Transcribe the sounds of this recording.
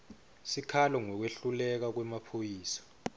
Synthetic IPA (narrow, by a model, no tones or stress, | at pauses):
sikʰalɔŋɔk̬weɬulɛk̬ak̬wɛmapʰojiːsḁ